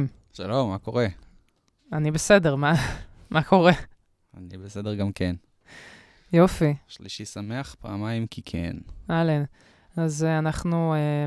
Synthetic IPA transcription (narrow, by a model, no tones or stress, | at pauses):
m | ʃalo̞mːako̞ʁe | anibesedeʁmamako̞ʁe | anibesedeʁɡamkʰen | jo̞fiʃlḭʃisame̞aχpa̰ːmajmkikʰḛnalen | azeanaχnue